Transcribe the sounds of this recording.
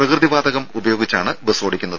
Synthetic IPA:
prɐkrɨðiʋaːd̪ɐɣɐmubɐjo̞ːɡit͡ɕːaːɳɨbesoːɽikʲːunːɐðɨ

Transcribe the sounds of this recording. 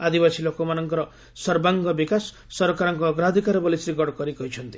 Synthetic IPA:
ad̪ibasilokomanɔŋkɔɾɔ | sɔɾbaŋɡɔbikasː | ɔɾɔkaɾɔŋkuːɡɾad̪ʱikaɾɔbɔlisɾiɡɔɽkɔɾikɔɦit͡ʃʰɔnt̪i

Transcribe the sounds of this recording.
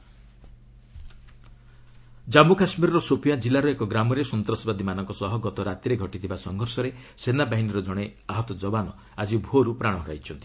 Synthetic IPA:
d͡ʒamukasmiɾɔɾɔsopʰijad͡ʒilaɾuekɔɡɾamɔɾesɔnt̪ɾɔsɔbad̪imanɔŋkɔsɔɦɔɡɔt̪ɔɾat̪iɾeɡʱɔʈit̪ʰibasɔŋɡʱɔɾsɔɾe | senabaɦiniɾɔd͡ʒɔɽ̃eaɦɔt̪ɔd͡ʒɔbanɔ | ad͡ʒibʱoɾupɾaɽ̃ɔɦɾa̰jt͡ʃʰɔnt̪i

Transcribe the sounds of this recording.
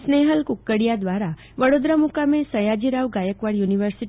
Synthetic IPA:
sneɦəlkukːəɽijad̪ʋaɾa | ʋəɽod̪ɾamukamẽsəjad͡ʒiɾaʋɡajəkʋaɽjuniʋəɾsi

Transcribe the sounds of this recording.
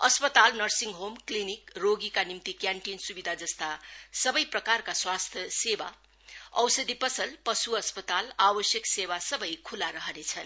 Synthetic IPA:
ʌspʌt̪alnʌrsiŋɡɦomklinikroɡikanimt̪ikjãɳʈinsubid̪ʱad͡zʌst̪asʌbʌjprʌkarkaswast̪ʰjʌseba | ʌ̰wsʌd̪ʱipʌsʌlpʌsuʌspʌt̪alabʌsjʌksebasʌbʌjkʰulaɾʌɦʌnet͡sʰʌn

